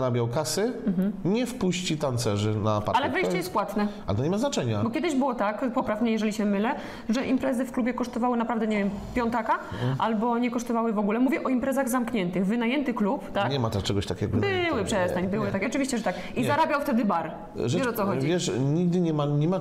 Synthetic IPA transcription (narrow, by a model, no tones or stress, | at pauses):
ɾabʲjawkasɘm̩ɦm̩ɲɛfpuɕt͡ɕit̪ant̪sɛʐɘnapa̰ɾalɛvɛjt͡ɕɛjɛst̪̚pwat̪nɛalɛt̪ɔɲɛmaznat͡ʂɛɲabɔkʲɛd̪ɘʑbɘwɔt̪akpɔpɾavmɲɛjɛʐɛlʲiɕɛmɘlɛ | ʐɛʔimpɾɛzɘfklubʲjɛkɔʂt̪ɔvawɘnapɾavd̪ɛɲɛvʲjɛmpʲjɔnt̪akaʔalbɔɲɛkɔʂt̪ɔvawɘvɔɡulɛmuvʲjɛʔɔimpɾɛzaɣzamkɲɛnt̪ɘɣvɘnajɛnt̪ɘklupt̪akɲɛmat̪ɛʂt͡ʂɛɡɔɕt̪akʲɛ̰ɡɔbɘwɘpʂɛst̪aɲbɘwɪt̪akʲɛɔt͡ʂɨvʲiɕt͡ɕɛʐɛt̪ak | izaɾabʲjawft̪ɛd̪ɘbaɾ | ʐɛɛɔt̪sɔxɔivʲjɛʂɲiɡ̚d̪ɘɲɛmaɲɛma